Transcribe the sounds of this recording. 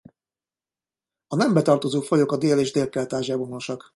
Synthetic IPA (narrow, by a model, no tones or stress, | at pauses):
ɒnɛmbɛt̪ɒrt̪o̞zoːfo̞jo̞kɒd̪eːleːʒd̪eːlkɛlt̪aːʒjɛbono̞ʃɒk